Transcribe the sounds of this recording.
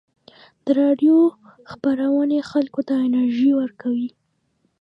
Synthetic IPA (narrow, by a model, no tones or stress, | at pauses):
d̪̥əɾɑɖjo | xpaɾawənexalkot̪aɪnaɾʒiwəɾkawi